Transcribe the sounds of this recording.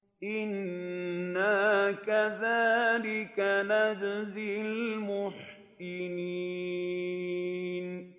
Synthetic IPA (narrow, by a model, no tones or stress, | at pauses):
ʔɪnː | akaðaːlɪkanad͡ʒzɪlmʊħ | sɪni | n